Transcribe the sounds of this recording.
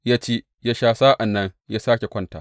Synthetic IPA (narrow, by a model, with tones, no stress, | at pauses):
jaː˦t͡ʃeː˦ | jaː˦ʃaː˦saː˦ʔa˨nːɐ˦ŋjaː˦saː˦kʲe˨kʷɐ˦nta̰ː˨